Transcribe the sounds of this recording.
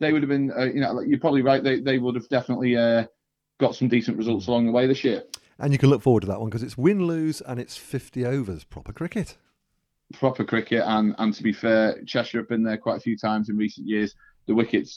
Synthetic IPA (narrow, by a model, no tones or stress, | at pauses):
ðeɪwʊɾəvbĩnəjənoʊlaɪjəpʰɹ̥ɒbəbliɹaɪʔðeɪðeɪwʊdəvdɛfənəʔlɪə | ɡ̥ɒtsə̃mdiˑsə̃nʔɹɪzʌlˠtsəlɒ̃ŋðəweɪðɪsjɪə | ʔə̃njəkʰə̃nlʊkfɔːwədtʰəðəʔwʌ̃nkʰʌzɪtswɪ̃nlʉːzə̃nɪtsfɪftioʊvəz̥pʰɹ̥ɒ̰pəkʰɹ̥ɪkɪt | pʰɹ̥ɒpʰəkʰɹ̥ɪkɪtə̃nə̃ntʰəbifɛːt͡ʃʰɛʃəɹəpɪ̃nðəkʰw̥aɪtəfjʉːtʰãɪ̃mzɪ̃nɹiˑsə̃njɪəz̥ | ðəwɪkɪds